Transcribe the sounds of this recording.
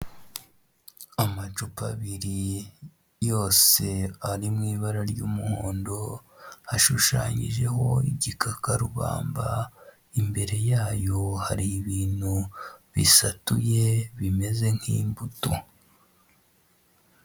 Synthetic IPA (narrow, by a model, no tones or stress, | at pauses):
amat͡ʃupa̰βiɾi | jo̞ːse̞aɾimŋiːβaɾaɾɟuːmuhoːndo̞haʃuʃa̰ːɲḭʒe̞ɦo̞ḭɟikʰakaɾuβa̰ːmba̰ | imbe̞ɾe̞jaːjo̞haɾiːβiːn̥huβḭsatuje̞βime̞ze̞ŋ̥hḭːmbuto